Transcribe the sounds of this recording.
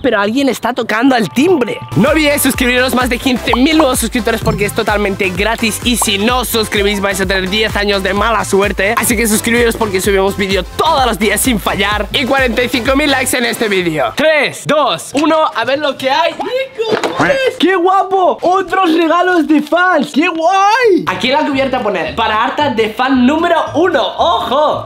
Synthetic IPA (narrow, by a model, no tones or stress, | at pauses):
peɾoalɣje̞nest̪at̪o̞kand̪oelt̪imbɾenoβiesuskɾiβiɾozmazðekinθe̞milnweβosːuskɾip̚t̪oɾe̞spo̞ɾk̬eest̪ot̪almẽnt̪e̞ɣɾat̪isisinosːuskɾiβisβajs̬at̪̬eneɾðje̞θaɲozðemalaswe̞ɾt̪e̞asike̞s̬uskɾiβiɾospo̞ɾkesuβ̞imozβiðjot̪oðoslozðiasːiɱfaʎaɾikwaɾent̪ajθiŋkomilːajksenest̪eβiðjot̪ɾesd̪osunoaβeɾlokeajikoeskeɣwapoot̪ɾosreɣ̞alozðefanskeɣwajakilak̬uβjeɾt̪aponelpaɾaaɾt̪aðefanːũmeɾounoʔoxo